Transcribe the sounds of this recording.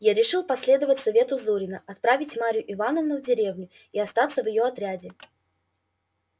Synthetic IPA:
jaɾʲɪʂɨlˠpɐsʲlʲe̞d̪əvətʲsɐvʲe̞t̪ʊzuɾʲɪnəʔɐt̪̚pɾavʲɪtʲmaɾʲjʊʔɪvanəvnʊvdʲɪɾʲe̞vnʲʊ | iɐst̪at̪sːəvjɪjo̞ɐt̪ɾʲadʲɪ

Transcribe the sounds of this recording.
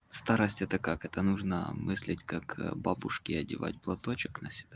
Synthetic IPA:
st̪aɾəsʲtʲɛt̪əkakɛt̪ənuʐnə̰mʔɨsʲlʲɪtʲkakbabʊʂkʲɪɐdʲɪva̰tʲplˠɐt̪ot͡ɕɪknəsʲɪ̥b̥ʲa

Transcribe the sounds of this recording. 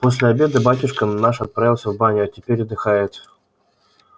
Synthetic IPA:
po̞s̬ʲlʲɪɐbʲe̞d̪ɨbatʲʊʂkənaʂɐt̪̚pɾavʲɪlˠsʲəvbanʲʊatʲɪpʲeɾʲad̪ɨxajɪt̪

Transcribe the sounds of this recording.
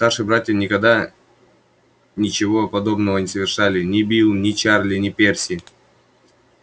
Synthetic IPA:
st̪arʂɨbɾatʲjənʲɪkɐɡd̪a | nʲɪt͡ɕɪvo̞pɐd̪o̞bnəvənʲɪsəvʲɪrʂalʲɪnʲɪbʲilˠnʲɪt͡ɕarlʲɪnʲɪpʲersʲɪ

